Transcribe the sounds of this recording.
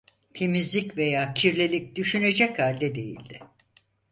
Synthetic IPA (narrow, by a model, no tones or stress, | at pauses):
t̪ʰe̞mizlʲicve̞jaːcʰiɾlʲelʲic̚d̪̥yʃyne̞d͡ʒɛchalʲd̪ɛd̪e̞jḭlʲd̪ɪ